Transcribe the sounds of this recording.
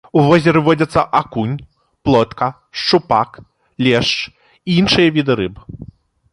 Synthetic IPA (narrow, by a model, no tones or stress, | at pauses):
uvɔzʲɛɾɨvɔd͡zʲɐt̪sːɐ̰ʔakunʲ | plˠɔt̪kɐ | ʂt͡ʂupak | lʲɛʂt͡ʂ | iinʂɨjɐvʲid̪ɨɾɨbɨ